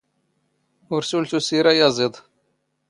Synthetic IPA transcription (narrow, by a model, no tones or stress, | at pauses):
uɾsult̪usiɾajɑzɨd̪ˤ